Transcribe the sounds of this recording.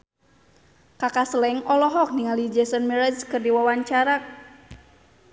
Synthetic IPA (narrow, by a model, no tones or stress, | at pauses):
kakasəlɛŋɔlɔɦɔk̚niŋalid͡ʒɛsɔnmɛɾad͡ʒkɨrdiwawaɲt͡ʃaɾak